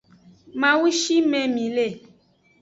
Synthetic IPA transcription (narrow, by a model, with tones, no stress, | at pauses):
mã˨wu˦ʃi˦mɛ̃˨mĩ˨le˦˨